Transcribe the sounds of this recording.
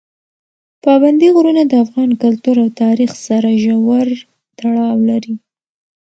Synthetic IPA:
pɑband̪iɣɾunad̪əafɣɑnkʊlt̪uɾawt̪ɑɾixsaɾaʒawaɾ | t̪aɽɑwlaɾi

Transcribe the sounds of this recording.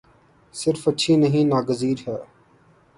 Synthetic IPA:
sɪɾfətːʃʰiːnəɦĩːnaːɡəziːɾɦɛː

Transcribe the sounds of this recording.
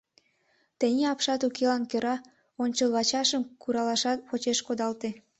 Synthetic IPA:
t̪enʲeɑpʃɑt̪ukelɑnkøɾɑ | onʲt͡ɕəlβɑt͡ɕɑʃəmkuɾɑlɑʃɑt̪̚pot͡ɕeʃkod̪ɑlt̪e

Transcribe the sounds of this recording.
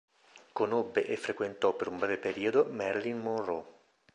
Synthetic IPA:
konobːeʔefɾekwent̪ɔpːeɾumbɾɛːvepeɾiːod̪omɛrlinmonrɔ

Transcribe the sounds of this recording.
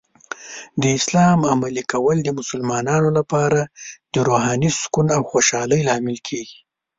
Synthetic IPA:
d̪əɪslɑmamalikawəld̪əmʊsəlmɑnɑnolapɑɾad̪̥əɾoɦɑniskunawxoʃɑləjlɑmɪlkʰeɡi

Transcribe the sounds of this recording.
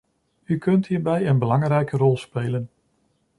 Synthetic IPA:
ykɵntɦiːɹbɛjənbəlɑŋrɛjkərɔlˠspejːlən

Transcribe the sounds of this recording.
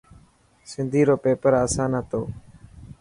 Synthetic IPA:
sɪnd̪ʱiːɾoːpeːpəɾaːsãːnət̪oː

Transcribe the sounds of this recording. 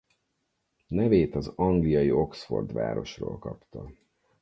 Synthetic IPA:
nɛveːt̪ɒzɒŋɡlijɒjio̞ksfo̞̰rd̪ʋa̰ːɾo̞ʃro̰ːlkɒpt̪ɒ

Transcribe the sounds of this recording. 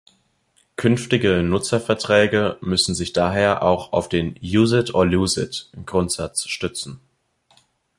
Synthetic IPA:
kʰʏnftɪɡənʊt͡sɐfɛɐtʁ̥ɛːɡəmʏsn̩zɪçd̥aːɦeːɐʔa̰ʊxaʊfd̥eːnjuːzɪtʰʔoɐjuːzɪtmɡ̥ʁʊntz̥at͡sʃtʏt͡sn̩

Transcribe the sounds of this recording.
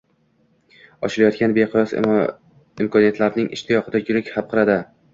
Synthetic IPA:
ɒʃɪlajɒt̪kʲʰanbeqʰʊɾɒs | ɪmkʰɒnijat̪ʰlaɾnɪŋɪ̰ʃt̪ʰɪjɒqʰɨd̪ajʊɾɪkʲhap̚qʰɨɾad̪ɪ

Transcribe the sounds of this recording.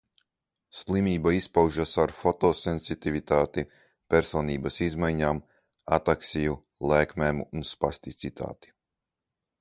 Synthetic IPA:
slˠimʲiːbaispawʒasaɾfɔt̪ɔːsɛnsit̪ivit̪aːt̪i | pʲɛɾsɔːniːbasizmajɲaːm | a̰t̪aksʲiju | lˠɛːkmɛːmunspasʲt̪it̪sit̪ʰa̰ːt̪i̥

